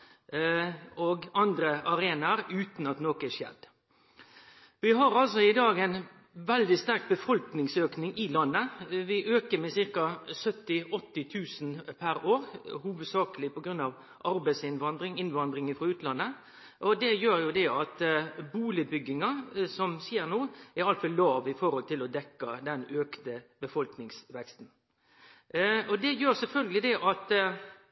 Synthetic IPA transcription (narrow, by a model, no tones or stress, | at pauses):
ɔɡɑnd̪ɾəʔɑɾeːnɑɾʉːt̪n̩ɑt̪noːkɛʂjɛ̰d̪ | ʋɪɦɑɾɑlsɔɪd̪ɑːɡæɪn | ʋɛld̪ɪst̪æʁk̚bəfɔlknɪŋsøːknɪŋʔɪlɑnːəʋɪʔøːkəɾmɛsɪɾkɑsœt̪ːɪʔɔt̪ːɪt̪ʰʉːsn̩pʰæɾoːɾhuːʋəd̪sɑːkəlɪpɔɡɾʉnːɑʋ | ʔɑɾbæɪsɪnʋɑnd̪ɾɪŋɪnʋɑnd̪ɾɪŋfɾɑʉːt̪lɑnːə | ʔɔd̪ɛjøːɾjʊd̪ɛɑt̪buːlɪbʏɡːɪŋɑsɔmsiːəɾnoːɛɾɑlt̪fɔlːɑːʋɪfɔɾhɔlt̪ʰɪlɔd̪ɛkːɑd̪ɛnøːkt̪əbəfɔlknɪŋsʋɛkst̪n̩ | ɔd̪ɛjøːɾsɛlfœlɡəlɪd̪ɛʔɑt̪